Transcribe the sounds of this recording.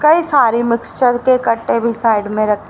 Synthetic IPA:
kɐisaːɾimɪkst͡ʃəɾkekɐʈːebʱisaːɪɖmẽɾɐt̪

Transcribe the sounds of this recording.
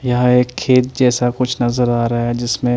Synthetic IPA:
jɐɦãeːkʰːeːt̪̚d͡ʒɛːsakʊt͡ʃʰnɐzəɾaːɾɐɦaɦɛd͡ʒɪsmẽ

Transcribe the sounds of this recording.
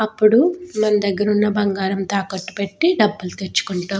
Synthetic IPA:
ɐpːuɽumɐnɐd̪ɐɡːɐɾunːɐbɐŋɡaːɾɐmt̪aːkɐʈːu̥pe̞ʈːiɖɐbːulut̪et͡ʃːu̥kuɳʈaː

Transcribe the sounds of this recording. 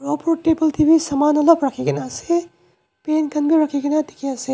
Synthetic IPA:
ɾopoʈebɐlt̪ʰibisɐmanolɐbɾɐkʰeɡinase | penkʰɐnbiɾɐkʰeɡinat̪ikʰiase

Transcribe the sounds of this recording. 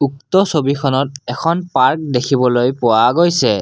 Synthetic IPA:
uktɔsobikʰɔnɔt̚ɛkʰɔnpaɹk̚dekʰibɔlojpʊwaɡojsɛ

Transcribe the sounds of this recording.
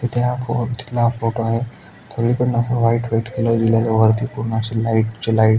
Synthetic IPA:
t̪et̪ʰafot̪i̥t̪lafoʈoaɦe | t̪ʰəɡɭikəɽnasəʋaiʈʋaiʈkeləd͡ʑilalaʋəɾt̪ipuɾɳaɕelaiʈt͡ɕelaiʈ

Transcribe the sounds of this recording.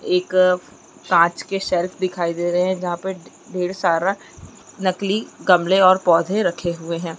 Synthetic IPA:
eːk | kãːt͡ʃkeʃɛːlpʰd̪ɪkʰaːid̪eːɾɐɦɦɛ̃d͡ʒɐɦãpɐ | ɖeːɽsaːɾa | nɐkliɡɐmleɔːɾpɔːd̪ʱẽɾɐkʰeɦʊeɦɛ̃ː

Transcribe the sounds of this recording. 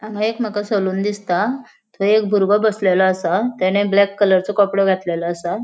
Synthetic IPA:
aŋɡʱãekm̤akasəluːnd̪ist̪a | t̪ʰoek̚bʱuɾbəbəslelaːsat̪ɛɽ̃eblɛkːələɾt͡sɔkɔpɽɔɡʱat̪lelaːsa

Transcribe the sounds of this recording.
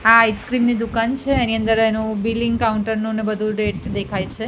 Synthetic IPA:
ajskɾimnid̪ukant͡ʃʰeeniənd̪əɾenũbiliŋɡkauɳʈəɾnunebəd̪ʱuɖeʈd̪ekʰajt͡ʃʰe

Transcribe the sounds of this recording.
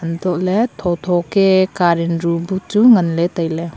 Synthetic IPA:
ɐntɔʔletʰɔwtʰɔkekaɾinɾubutuŋɐnletajle

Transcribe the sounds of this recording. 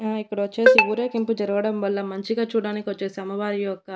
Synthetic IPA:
aːikːɐɽɐʋɐt͡ʃːe̞ːsiuːɾeːkimpud͡ʒɐɾuɡɐɽɐmʋɐlːɐmɐɲt͡ʃiɡaːt͡ʃuːɽaːnikiʋɐt͡ʃːe̞ːsiɐmɐʋaːɾijɔkːɐ

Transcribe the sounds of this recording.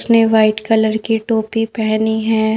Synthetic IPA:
sneʋaːɪʈkɐləɾkiʈoːpipɛɦniɦɛ̃ː

